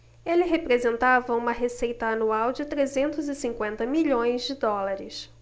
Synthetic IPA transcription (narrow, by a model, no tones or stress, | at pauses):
elɪɦepɾezẽnt̪avɐũmɐɦesejt̪ɐːnuawd͡ʒɪt̪ɾezẽnt̪ʊzɪsĩŋkwẽnt̪ɐmiʎõj̃zd͡ʒɪd̪ɔlaɾɪs